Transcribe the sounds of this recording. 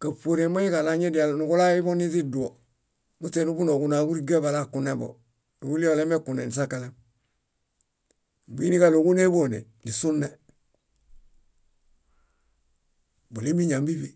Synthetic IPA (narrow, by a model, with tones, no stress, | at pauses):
ka˨po˨ɾe˨ma˦ji˦ka˨la˦ɲe˦di˨a˨lnu˨ku˦la˦i˦bo˦ni˦zi˦du˨o˨ | bu˦te˨nu˦bu˦no˨ku˨na˨˦ku˦ɾi˦ɡe˦ba˨la˦˨ku˨ne˦bo̰˨ | nu˨ɡu˦li˦o˨le˦me˦ku˨nḛ˨ni˨s̬a˦ka˨le˦m˨ | bi˦ni˦ka˨lo˨ku˦ne˦bo˦˨nḛ˨ | ni˨su˦nːe˦ | bu˨li˦mi˦ɲa˨mbi˦bi˦